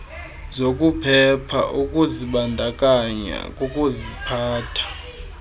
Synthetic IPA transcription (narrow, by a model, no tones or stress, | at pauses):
zokʼupʰɛpʰa̰ʔukʼuziɓandʱakʼaɲa̰kʼukʼuzipʰaːtʰḁ